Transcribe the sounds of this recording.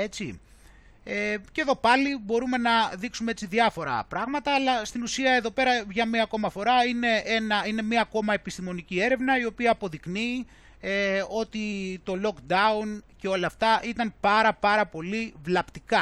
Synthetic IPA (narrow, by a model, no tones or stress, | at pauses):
e̞t͡si | eceðo̞pɐlibo̞ɾume̞nɐðiksumee̞t͡siðiɐfo̞ɾɐ̰pɾɐɣmɐt̪ɐːlɐst̪inusiɐe̞ðo̞pe̞ɾɐvʝɐmiɐko̞mɐfo̞ɾɐine̞enɐine̞miɐːko̞mɐe̞pist̪imo̞nicie̞ɾe̞vnɐio̞piɐːpo̞ðikni | eo̞t̪it̪o̞lo̞kd̪ɐunce̞o̞lɐːft̪ɐʔit̪ɐnpɐɾɐpɐɾɐpo̞livlɐpt̪ikɐ